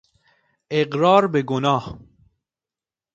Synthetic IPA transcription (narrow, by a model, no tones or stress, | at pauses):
eɡɾɑːɾbeɡonɑːh